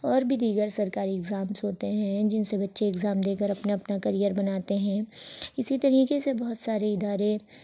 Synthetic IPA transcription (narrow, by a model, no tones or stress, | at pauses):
ɔːɾbʱid̪iːɡəɾsɐɾkaːɾiɛɡzaːmsɦoːt̪eɦɛ̃d͡ʒɪnsebɐtːʃeːɡzaːmd̪eːkəɾɐpnaɐpnakɐɾijəɾbɐnaːt̪eɦɛ̃ːɪsit̪ɐɾiːkesebɐɦʊt̪saːɾeɪd̪aːɾe